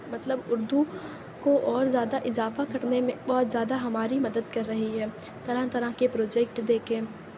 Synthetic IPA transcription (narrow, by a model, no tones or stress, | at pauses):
mɐt̪ləbʊɾd̪u | koʔɔːɾzjaːd̪aʔɪzaːfakɐɾnemẽbɔːt̪zjaːd̪aɦɐmaːɾimɐd̪əd̪kɐɾːɐɦiɦɛː | t̪ɐɾãt̪ɐɾãkepɾoːd͡ʒɛːkʈd̪eːkẽː